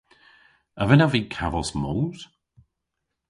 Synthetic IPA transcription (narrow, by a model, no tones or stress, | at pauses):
əvɪnaviːkʰavɔsmɔːɾ̥